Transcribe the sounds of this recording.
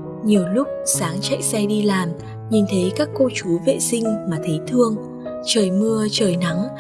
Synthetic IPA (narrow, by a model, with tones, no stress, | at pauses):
ɲi˨˩əwlʊ˦˥k͡p̚saː˨˦ŋt͡ɕa̰˧˨jsɛ˧jɗi˧laː˨˩m | ɲi˨˩nt̪ʰə˨˦jkaː˦˥kːo˧t͡ɕu˨˦vḛ˧˨sï˧ŋ̟maː˨˩t̪ʰə˨˦jt̪ʰɨ˧əŋ | t͡ɕəː˨˩jmɨ˧ət͡ɕəː˨˩jna˨˦ŋ